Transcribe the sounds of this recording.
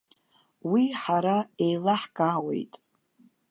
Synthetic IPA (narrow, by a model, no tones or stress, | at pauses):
wiħaɾaejlaħɡʼaːwe̞̰jtʼ